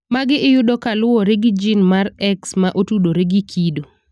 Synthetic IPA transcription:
maɡɪʔɪjʊdokalʊɔɾeɡɪd͡ʒinmaɾɛksmaʔotudoɾeɡɪkʰido

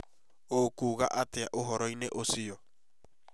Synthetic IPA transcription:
okuɣaʔat̪eaʔoɦoɾojneʔosio

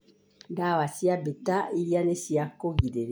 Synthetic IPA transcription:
dawasiabetailianesiakoɡidel

